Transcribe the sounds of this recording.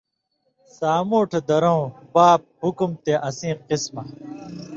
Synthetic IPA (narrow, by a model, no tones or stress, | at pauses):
saːmoːʈʰed̪ɐɾõũpaːp̚hukumt̪eʔɐsĩːqismɐ